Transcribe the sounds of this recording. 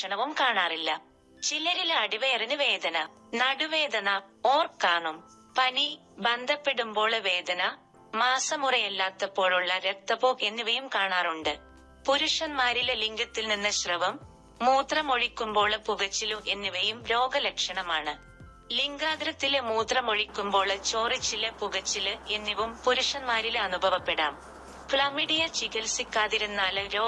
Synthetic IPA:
ɐɳɐʋumkaːɳaːrilːɐ | t͡ɕilɐɾileɐɽiʋejrinuʋe̞ːd̪ʱɐnɐ | nɐɽuʋe̞ːd̪ʱɐnɐo̞ːrkːaːɳum | pɐni | bɐnd̪ʱɐpːeɽumbo̞ːɭʋe̞ːd̪ʱɐnɐ | maːsɐmurɐjɐlːaːt̪ːɐpːo̞ːɭuɭːɐɾekt̪ːɐpoːke̞nːuʋɐjumkaːɳaːruɳɖɨ | puɾuʂɐnmaːɾilliŋɡɐt̪ːilninːɐɕrɐʋɐmː | uːt̪rɐmo̞ɻikʲːumbo̞ːɭpuɣɐt͡ɕːiluʔe̞nːiʋɐjumɾo̞ːɡɐlekʂɐɳɐmaːɳɨ | liŋɡaːɡɾɐt̪ːilmuːt̪rɐmo̞ɻikʲːumbo̞ːɭt͡ɕo̞ːrit͡ɕːilɐpuɣɐt͡ɕːilɨe̞nːiʋumpuɾuʂɐnmaːɾilɐnubʱɐʋɐpːe̞ɽa̰ːm | flɐmiɽijɐt͡ɕiɣɐlsikʲːaːðiɾunːaːlɾoː

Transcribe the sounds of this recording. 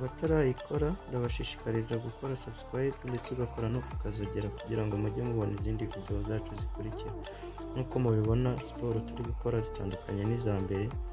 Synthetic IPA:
βataɾaːjikʰo̞ɾandaβaʃiːʃi̥kaɾizaɡuko̞ɾasaβitkwajepulet͡siβako̞ɾanoku̥kazioɟeɾakuɟiɾaŋɡomuɟemuβo̞niziːndivide̞ozaːt͡ʃozikuɾiciɾe | nuːko̞muβiβo̞naspo̞ɾotuɾiβuko̞ɾazita̰ːndukʰaɲe̞niːzaːmbe̞ɾe̞

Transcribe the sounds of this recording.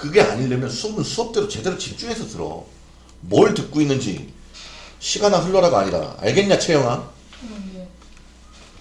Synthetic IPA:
kɯɡe̞a̰ɲiɭːemjʌnsʰuʌbɯnsʰuʌp̚t͈eɾot͡ɕe̞de̞ɾot͡ɕip̚t͡ɕ͈uɦe̞sʰʌtɯɾʌ̰ | mʌɭtɯk̚k͈oinːɯnd͡ʑḭ | ɕʰiɡanaɸuɭːʌɾaɡoa̰ɲiɾa̰a̰ɭɡe̞ɲɲat͡ɕʰejʌŋa

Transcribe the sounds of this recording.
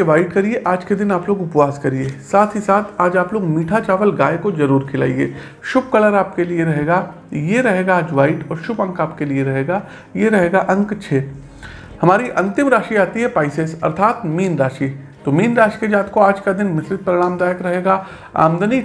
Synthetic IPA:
eʋaːɪʈkɐɾieʔaːd͡ʒked̪ɪnaːploːɡʊpʋaːskɐɾieːsaːt̪ʰɦisaːt̪ʰaːd͡ʒaːploːɡmiːʈʰat͡ʃaːʋəlɡaːekozɐɾuːɾkʰɪla̰ːiḛː | ʃʊb̚kɐləɾaːp̚kelieɾɐɦeːɡa | jeɾɐɦeːɡaːd͡ʒʋaːɪʈɔːɾʃʊbɐ̃ŋkaːpkelieɾɐɦeːɡaː | jeɾɐɦeːɡaʔɐ̃ŋkt͡ʃʰeː | hɐmaːɾiʔɐ̃nt̪ɪmɾaːʃiaːt̪iɦɛpaːɪsesɐ̰ɾt̪ʰaːt̪miːnɾaːʃi | t̪omiːnɾaːʃi̥ked͡ʒaːt̪koaːd͡ʒkad̪ɪnmɪsɾɪt̪̚pəɾɪɽ̃aːmd̪aːjəkɾɐɦeːɡaː | a̰ːmd̪əni

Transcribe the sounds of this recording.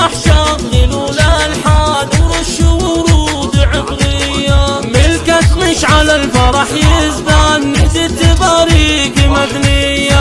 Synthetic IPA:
aħʃɑt̪lɪlulalħaːd̪wɾuʃuwwɾuːd̪ʕɪbɾɪjːamɪlkat̪mɪʃʕalalfɑɾˤɑħjɪzd̪anːɪzit̪ɪbaːɾikimadnɪjːa

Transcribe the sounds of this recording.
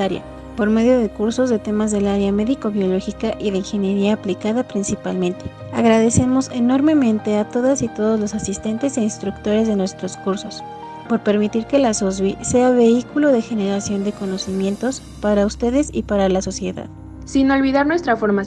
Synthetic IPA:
aɾja̰ | po̞ɾme̞ðjo̞ðe̞kuɾso̞zðe̞t̪e̞mazðe̞laɾeame̞ðiko̞βjo̞lo̞xikaʔiðe̞iŋxe̞nje̞ɾiaːplikaðapɾinsipalmẽ̞nt̪e̞̥ | a̰ɣɾaðe̞se̞mo̞se̞no̞ɾme̞mẽ̞nt̪e̞at̪o̞ðasit̪o̞ðo̞zlo̞sasist̪e̞nt̪e̞se̞inst̪ɾukt̪o̞ɾe̞zðe̞nwest̪ɾo̞skuɾso̞s | po̞ɾpe̞ɾmit̪iɾke̞lasozβise̞aβe̞ikuloðe̞xe̞ne̞ɾasjo̞nd̪e̞ko̞no̞simje̞nt̪o̞s | paɾaust̪e̞ðe̞sipaɾalaso̞sje̞ða̰ð | sino̞lβiðaɾnwest̪ɾafoɾma

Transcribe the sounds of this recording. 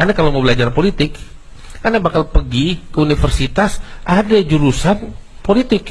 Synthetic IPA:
anakalaməbəlad͡ʒarpolit̪ɪk | anabakalpəɡikəunifərsit̪asʔadad͡ʒuɾusan | polit̪ɪk

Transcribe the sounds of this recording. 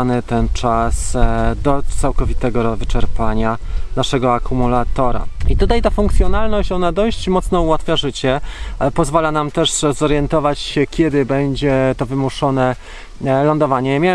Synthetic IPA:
nɘt̪ɛnt͡ʂasd̪ɔt̪sawkɔvʲit̪ɛɡɔɾvɘt͡ʂɛɾpaɲanaʂɛɡɔakumulat̪ɔɾa̰it̪ut̪ajt̪afuŋkt̪sʲjɔnalnɔɕt͡ɕɔnad̪ɔɕt͡ɕmɔt̪snɔuwat̪fʲjaʐɘt͡ɕɛpɔzvalanamt̪ɛʂzɔɾjɛnt̪ɔvat͡ɕɕɛkʲjɛd̪ɘbɛɲd͡ʑɛt̪ɔvɘmuʂɔnɛ | lɔnd̪ɔvaɲɛmʲja

